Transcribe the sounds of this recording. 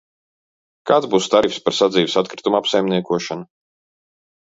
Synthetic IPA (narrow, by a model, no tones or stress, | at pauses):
kaːt̪zbuːst̪aɾifspaɾsad̪ziːvsat̪kɾɪt̪umapsajmniɛkuɔʃana